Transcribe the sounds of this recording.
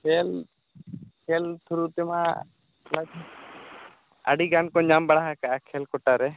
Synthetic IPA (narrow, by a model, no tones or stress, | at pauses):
kʰɛl | kʰɛlt̪ʰuɾut̪ɛma̰ | lad͡ʒʰ | a̰ɽiɡankɔɲambaɽaɦakaʔakʰɛlkɔʈaɾɛ